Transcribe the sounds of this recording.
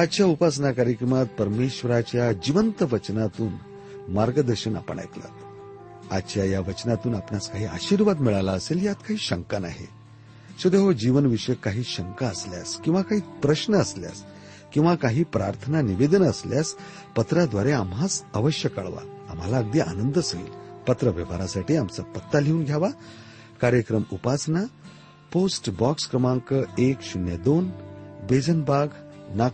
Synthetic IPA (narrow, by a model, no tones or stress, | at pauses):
ad̪t͡ɕjaupas̬nakaɾjəkɾəmat̪̚pəɾmeɕʋəɾat͡ɕjad͡ʑiʋənt̪əʋət͡ɕnat̪uːn | maɾɡəd̪əɾɕəna̰pə̰ɳa̰jk̪la̰t̪ | ad̪t͡ɕjajaʋət͡ɕnat̪uːnapnaskaɦiːa̰ɕiːɾʋad̪miɭalaəseljat̪kaɦiːɕəŋkana̰ɦḛ | sod̪eɦod͡ʑiʋənʋiʂəjkaɦiːɕəŋkaəslja̰skĩw̃ʋakaɦiːpɾəɕnəəslja̰s | kĩw̃ʋakaɦiːpɾaɾt̪ʰənaniʋed̪ənəsljas | pət̪ɾad̪ʋaɾeamɦat͡səʋəɕjəka̰ɭʋa̰a̰m̤alaəɡ̚d̪iːʔa̰nənd̪əsəɡḭːlpət̪ɾəʋəʋaɾasaʈiːamt͡sapət̪ːaleuːnɡʱjaʋa | kaɾjəkɾəmupasna | posʈbɔkskɾəmaŋkəekɕunjəd̪onbed͡zənbaɡnak